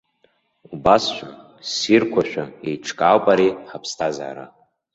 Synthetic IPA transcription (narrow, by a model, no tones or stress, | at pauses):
ubasʃʷᶣa | sirkʷʰaʃᶣaejʈ͡ʂʰkʼaːlpʼaɾiħapʰstʰaza̰ːɾa̰